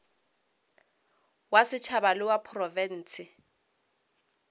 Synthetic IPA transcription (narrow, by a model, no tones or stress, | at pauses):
wasɪt͡ʃʰabalɪwapʰrɔvɛn̩ːsɪ